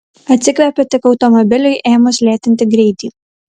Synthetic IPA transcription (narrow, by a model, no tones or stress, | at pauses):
ɐt̪ʲsʲɪkʋʲɛpʲɛt̪ʲɪkɒʊt̪ɔmɔbʲɪlʲʊɪʔeːmʊslʲeːt̪ʲɪnʲt̪ʲɪɡɾʲɛɪt̪ʲiː